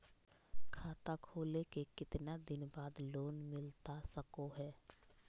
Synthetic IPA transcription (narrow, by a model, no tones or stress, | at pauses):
kʰaːt̪akʰoːlekekɪt̪nad̪ɪnbaːd̪loːnmɪlt̪asəkoɦɛː